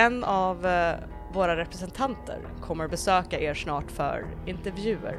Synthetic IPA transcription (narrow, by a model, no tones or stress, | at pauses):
ɛnːavː | oːɾaɾɛpɾɛsɛnt̪ʰant̪ʰə̰ɾkʰɔmːəɾbɛsøːkaʔeːɾʂnɑːʈfœ̰ɾɪnt̪ɛɾvjʉ̟ːə̰ɾ